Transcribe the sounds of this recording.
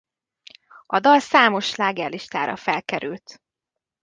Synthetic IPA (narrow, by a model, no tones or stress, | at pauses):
ɒd̪ɒlsaːmo̞ʃlaːɡɛrlːiʃt̪aːɾɒ̰fɛlkɛɾylt̪